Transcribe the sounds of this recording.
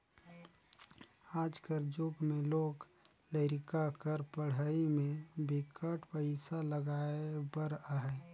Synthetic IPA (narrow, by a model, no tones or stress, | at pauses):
aːd͡ʒkəɾd͡ʒuɡmẽloːɡ | ləɪɾɪkakəɾpəɽ̤əimẽbɪkəʈpəɪsaləɡaːebəɾaɦɛː